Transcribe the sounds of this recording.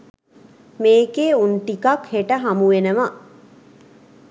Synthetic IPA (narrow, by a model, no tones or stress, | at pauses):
meːkeːunʈikakheʈəɦamuʋenəʋa